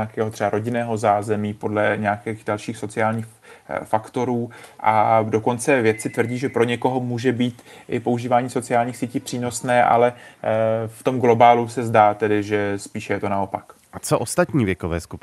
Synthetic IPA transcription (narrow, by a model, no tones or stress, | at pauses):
akɛːɦo̞t̪r̥ɛbaɾo̞ɟɪnɛːɦo̞zaːzɛmiːpo̞dlɛɲɛakɛːxdalʃiːxso̞t͡sɪaːlɲiːx | fakt̪o̞ɾuːʔado̞ko̞nt͡sɛvjɛt̪t͡sɪt̪vrɟiːʒɛpɾo̞ɲɛko̞ɦo̞muːʒɛbiːt̪ʔɪpo̞uʒiːvaːɲiːso̞t͡sɪaːlɲiːxsiːciːpr̥iːno̞snɛːʔa̰lɛ | ft̪o̞mɡlo̞baːlusɛzdaːt̪ɛdɪʒɛspiːʃɛjɛt̪o̞nao̞pak | at͡soʔost̪at̪ɲiːvjɛkovɛ̰ːskup